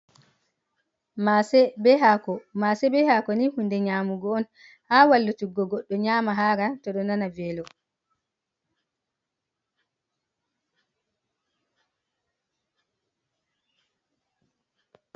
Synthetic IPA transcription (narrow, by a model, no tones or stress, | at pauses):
masɛbɛɦakɔmasɛbɛhakɔnihundɛɲaːmuɡɔːn | haːwalːutuɡɔɡɔɗːɔɲaːmaɦaɾatɔɗɔnanavɛːlɔ